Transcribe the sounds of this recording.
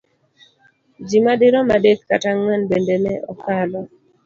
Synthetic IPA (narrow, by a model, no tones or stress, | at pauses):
d͡ʒimadɪɾɔmadekkːataŋanbendenɛʔɔkalɔ